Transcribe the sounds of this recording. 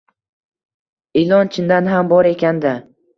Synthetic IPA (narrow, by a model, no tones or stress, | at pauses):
elˠɒnt͡ʃʰɪnd̪anɦambɒɾe̞kʲand̪a